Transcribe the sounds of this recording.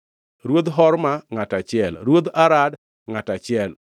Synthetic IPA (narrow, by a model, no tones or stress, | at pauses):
ɾwod̪ɦɔɾmaŋatat͡ʃɪɛlɾwod̪aɾad | ŋatat͡ʃɪɛl